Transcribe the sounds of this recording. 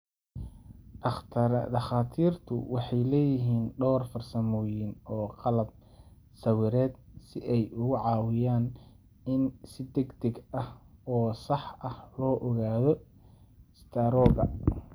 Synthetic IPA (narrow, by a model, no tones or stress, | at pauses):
ɐχt̪ʰɾd̪ɐχaːt̪ʰiːrt̪ʰʊ̰wɑħɑjlɛːjɪɦiːnɖɔːrfɐrsɐmɔːjɪnɔːqɑlɐb̚ | sɐwɪɾɛːd̪̚sɪʔɛjʊɣʊʕɑːwɪjaːn | ɪnsɪd̪ɛɡd̪ɛɡɐhɔːsɑħʔɐhlɔːʔɔɣaːðɔ | st̪ʰɐɾɔːɣɐ